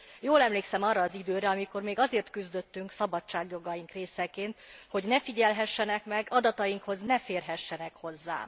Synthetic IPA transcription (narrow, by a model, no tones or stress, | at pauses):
joːlɛmleːksɛmɒrːɒːzid̪øːɾɛɒmiko̞rmeːɡɒzeːrt̪kyzd̪øt̪ːyŋksɒbɒt͡ʃːaːɡjo̞ɡɒjiŋkreːsɛkeːnt̪ho̞ɟnɛfiɟɛlɦɛʃːɛnɛkmɛɡɒd̪ɒt̪ɒjiŋkho̞znɛfeːrɦɛʃːɛnɛkho̞zːa̰ː